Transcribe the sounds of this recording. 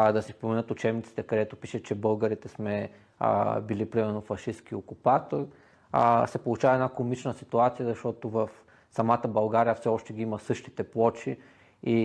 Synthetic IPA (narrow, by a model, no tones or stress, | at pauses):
d̪ɐsɛspomɛnɤt̪ʊt͡ʃɛbnit̪si̥t̪ɛkɐd̪ɛt̪opi̥ʃət͡ʃɛbɤlˠɡəɾit̪ɛsmɛ̰ | bilipɾimɛɾnofɐʃisk̟iokupat̪oɾ | sɛpolˠut͡ʃavɐɛnakomit͡ʃnəsit̪uat̪sijəzɐʃt̪ɔt̪ovəf | sɐmat̪əbɐlˠɡaɾijɐfsɛɔʃt̪ɛɡʲiimɐsɤʃt̪i̥t̪ɛplˠɔt͡ʃi | i